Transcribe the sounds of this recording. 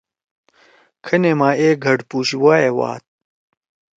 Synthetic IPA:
kʰɐneːmaːeːɡʱɐɖpuːɕiwaːewa̰ːt̪̚

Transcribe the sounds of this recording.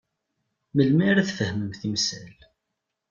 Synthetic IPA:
məlmiɾæθfəhməmθimsæl

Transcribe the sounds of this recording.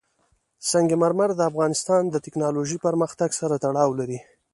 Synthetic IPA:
saŋɡemaɾmaɾd̪əafɣɑnɪst̪ɑnd̪ət̪ɪknɑloʒipəɾməxt̪aɡsaɾat̪aɽɑwlaɾi

